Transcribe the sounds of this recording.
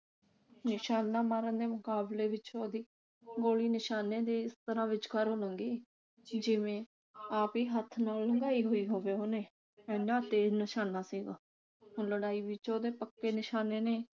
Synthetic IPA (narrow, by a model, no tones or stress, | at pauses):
nɪʃaːnːaːmaːɾənd̪eːmʊkaːbleːʋɪt͡ʃoːd̪iː | ɡoːliːnɪʃaːneːd̪iːɪst̪əɾãːʋɪt͡ʃkəɾɦoːlə̃ŋɡiː | d͡ʒɪʋẽː | aːpiːɦət̪ʰːnaːlːəŋɡaːiːɦoːiːɦoːʋeːoːneː | ɛ̃ːnãːt̪eːd͡ʒnəʃaːnaːsiːɡaː | ʊnləɽaːiːʋɪt͡ʃoːd̪eːpəkːeːnɪʃaːneːneː